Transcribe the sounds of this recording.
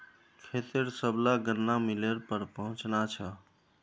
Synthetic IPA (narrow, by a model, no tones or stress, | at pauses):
kʰet̪eɾsəblaɡənːamileɾpəɾpəɦũt͡ʃnat͡ʃʰə